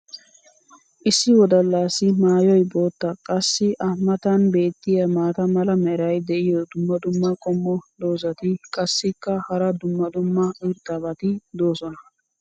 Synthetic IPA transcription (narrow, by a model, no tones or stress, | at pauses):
ʔɪsːɪwɔd̪ɐlːaːsɪmaːjɔjbo̞ːt̪ːɐkʼɐsːɪʔɐmːɐt̪ɐnbe̞ːt̪ːɪjɐmaːt̪ɐmɐlɐmɛɾɐjd̪ɛʔɪjɔd̪ʊmːɐd̪ʊmːɐkʼɔmːɔd̪o̞ːsɐt̪ɪkʼɐsːɪkːɐhɐɾɐd̪ʊmːɐd̪ʊmːɐɪɾt̪ʼːabɐt̪ɪd̪o̞ːsɔnɐ